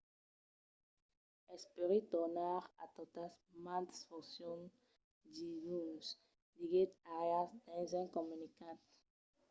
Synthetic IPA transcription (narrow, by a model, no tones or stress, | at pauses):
ɛspeʁet̪ɔʁnaʁa̰t̪ot̪asmãnt̪sfɔsjɔ̃n | dijuns | diɡet̪aʁeasd̪ɛ̃zɛ̃nkɔmynikãt̪